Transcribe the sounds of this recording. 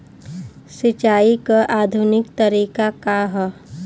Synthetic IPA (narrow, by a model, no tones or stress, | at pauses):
sɪt͡ʃaːikaʔaːd̪ʱʊnɪkt̪əɾiːkakaɦɔ